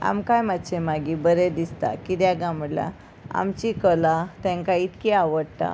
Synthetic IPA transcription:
a̰mkajmat̪ːt͡ɕemaɡibəɾed̪ist̪a̰kit̪jãɡamɽla̰ | a̰mt͡ɕikəlat̪ɛ̃ŋkait̪kiaʋəɽt̪a̰

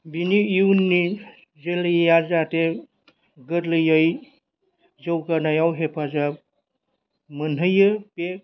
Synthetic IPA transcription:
biniiunːi | zelɯjjazate | ɡɯɾlɯjaj | zɯwkanajawɦepʰaza | mɯnɯjɯpek̚

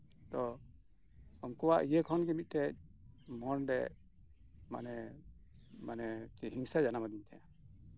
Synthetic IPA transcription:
t̪ɔ | ɔmkɔwaʔijəkʰɔnɡɛmit̪̚ˀʈɛc̚mɔnɖɛ | ma̰nɛ | manɛt͡ʃɛɦiŋsad͡ʒanamad̪iɲt̪ʰaja

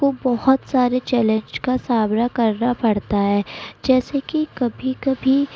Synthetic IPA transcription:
kobɔɦʊt̪saːɾet͡ʃɛːlẽɲd͡ʒkasaːbɾakɐɾnapɐɽt̪aɦɛːd͡ʒɛːsekikɐbʱikɐbʱi

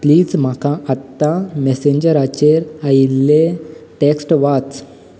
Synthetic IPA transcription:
pliːd͡zm̤akãət̪ːameseɲd͡ʑəɾat͡ɕeɾəilːeʈeksʈʋat͡s

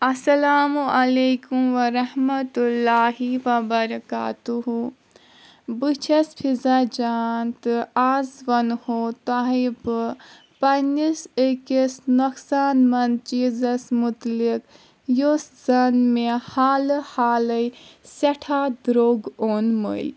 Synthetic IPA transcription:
ɐsɐlaːmuɐlekumʋɐɾɐhmɐt̪ulːaːɦiʋɐbɐɾɐka̰ːt̪uɦu | bɨt͡ʃʰɐspʰizad͡ʒaːnt̪ɨaːzʋɐnhot̪aɦibɨ | pɐnisekisnɐksaːnmɐnt͡ʃiːzɐsmut̪lik | joszɐnmehaːlhaːlɐjsɐʈʰad̪ɾoːɡoːnmə̰l

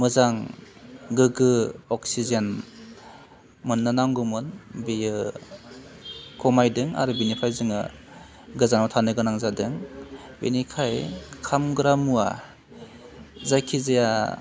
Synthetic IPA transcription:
mɯzaŋ | ɡɯɡɯɔksizen | mɯnːɯnaŋɡumɯnbijɯ | kʰɔmajdɯŋa̰ɾɯbinipʰajzɯŋɯ̰ | ɡɯzanmatʰanɯɡɯnaŋzadɯŋ | bḭnikʰajkʰamɡɯɾamua̰ | zajkʰizaja

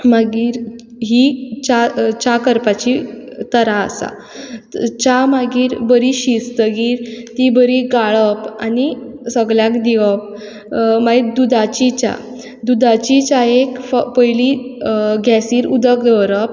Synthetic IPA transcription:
maɡiːɾ | ɦit͡ɕat͡ɕakəɾpat͡ɕit̪əɾa̰ːsa̰ | t͡ɕamaɡiːɾbəɾiɕist̪əɡiːɾt̪ibəɾiɡaɭəpanisəɡɭjãkd̪iʋəp̚ | mait̪̚d̪ud̪at͡ɕit͡ɕa̰ | d̪ud̪at͡ɕit͡ɕaekfpəjli | ɡʱasiːɾud̪əkd̪əɾəp

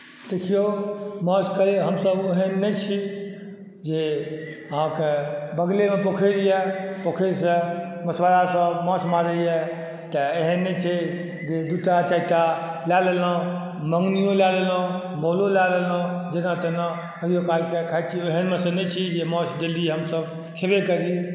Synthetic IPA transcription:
d̪̥ekʰijomɔ̃skəɾeɦəmsəboɦənːɛt͡ʃʰi | d͡ʒeəɦãkebəɡlemepokʰeɾijɛpokʰeɾsə̃məsʋalasə̃mɔ̃smaɾəjɛ | t̪əeɦənːɛt͡ʃʰɛ | d͡ʒed̪uʈɾat͡ʃaiʈ̪alalelə̃ | məŋɡnijõlalelə̃ | mololalelɔ̃d͡ʒenat̪əna | kəɦijokalkekʰajd̪t͡ʃʰieɦənmesə̃nɛt͡ʃʰid͡ʒemɔ̃sd̪eliɛɦəmsəb | kʰebekəɾi

